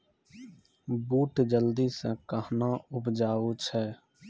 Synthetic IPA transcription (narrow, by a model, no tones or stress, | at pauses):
buːʈd͡ʒəld̪isə̃kəɦnaʊpd͡ʒaːot͡ʃʰɛː